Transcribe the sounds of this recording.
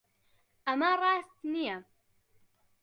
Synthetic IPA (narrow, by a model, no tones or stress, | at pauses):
ʔamaɾˤɑːst̪nija